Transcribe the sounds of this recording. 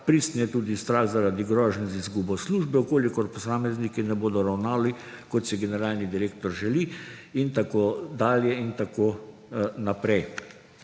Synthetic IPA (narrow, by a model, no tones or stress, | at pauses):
pɾist̪nɛt̪uːd̪ist̪ɾaxzaɾad̪iɡɾɔːʒnzizɡuːbɔsluːʒbɛukoːlikɔɾpɔsaːmɛznikinɛboːd̪ɔɾawnaːli | kɔt̪siɡɛnɛɾaːlnid̪iɾeːkt̪ɔɾʒɛliint̪akoːd̪aːljɛint̪akoː | napɾɛj